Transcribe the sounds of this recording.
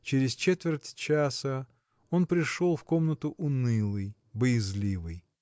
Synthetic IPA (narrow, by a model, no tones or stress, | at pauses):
t͡ɕɪɾʲɪzt͡ɕet̪vʲɪrtʲt͡ɕasə | o̞npɾʲɪʂo̞lˠfko̞mnət̪ʊʔʊnɨlˠɨj | bəjɪzlʲivɨj